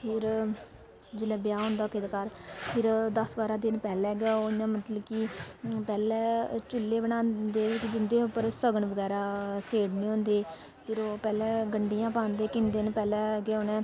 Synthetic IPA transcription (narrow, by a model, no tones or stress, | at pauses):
pʰɪɾ | d͡ʒɪlɛ̃ːbɪjaːɦʊ̃nd̪aːkɪd̪kaɾpʰɪɾd̪əsʋaːɾãːd̪ɪnpɛːlɛːɡoɪjãːmət̪ləbkipɛːlɛːt͡ʃʊlːeːbəɽãːnd̪eːɪkd͡ʒɪnd̪eːʊpːəɾsəɡəɳʋəɡɛːɾaːseːɽneːõːnd̪eː | pʰɪɾoːpɛːlɛːɡəɳɖijãːpãːnd̪eːkɪnd̪ɪnpɛːlɛːɡɛːoːnɛ̃ː